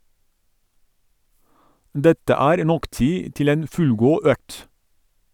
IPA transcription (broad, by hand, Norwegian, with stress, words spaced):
ˈdɛtə ˈæːɾ ˈnɔk ˈtiː ˈtɪl ˈeːn ˈfʉlˌɡuː ˈœkt